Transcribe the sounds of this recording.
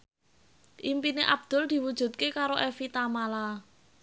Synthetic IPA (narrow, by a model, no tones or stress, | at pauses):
ʔimpineʔab̚d̪̥ʊ̤ld̪̥i̤wud̥ʒ̥ṳt̪̚kekaɾoʔefit̪amala